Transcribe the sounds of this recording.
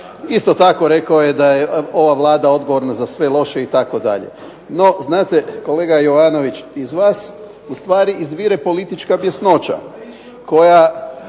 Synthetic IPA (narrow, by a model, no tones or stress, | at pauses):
ist̪o̞t̪ako̞ɾe̞kaojed̪ajeo̞ʋaʋlˠaːd̪ao̞d̪ɡo̞ʋo̞ɾnazasʋe̞lo̞ʃeit̪ako̞d̪a̰ʎḛ | no̞znaːt̪eko̞le̞ːɡajo̞ʋano̞ʋit͡ɕizʋaːs | ust̪ʋaːɾiʔizʋiɾepo̞lit̪it͡ʃkabje̞sno̞t͡ʃa̰ | ko̞ja